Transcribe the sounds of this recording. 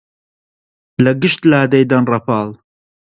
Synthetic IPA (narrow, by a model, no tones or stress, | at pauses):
lɐɡɨʃt̪laːd̪ejd̪ɐnrɐpʰɑːlˠ